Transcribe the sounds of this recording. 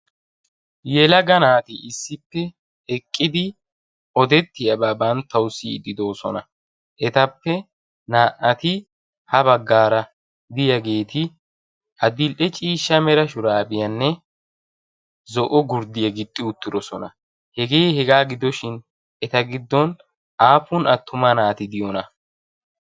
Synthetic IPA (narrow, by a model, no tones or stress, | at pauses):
jɛlɐɡɐnaːt̪ɪɪsːɪpːɛ | ɛkʼːɪd̪ɪ | ɔd̪ɛt̪ːɪjɐbaːbɐnt̪ːɐwsɪːd̪ːɪd̪o̞ːsɔnɐ | ʔɛt̪ɐpːɛ | naːʔɐt̪ɪ | hɐbɐɡːaːɾɐ | d̪ɪjɐɡe̞ːt̪ɪ | ʔɐd̪ɪlʔɛt͡ʃʼiːʃːɐmɛɾɐʃʊɾaːbɪjɐnːɛ | zɔʔɔɡʊɾd̪ɪjɐɡɪt̪ʼːɪʊt̪ːɪd̪ɔsɔnɐ̰ | hɛɡe̞ːhɛɡaːɡɪd̪ɔʃɪn | ɛt̪ɐɡɪd̪ːɔn | aːfʊnʔɐt̪ːʊmɐnaːt̪ɪd̪ɪjɔnɐ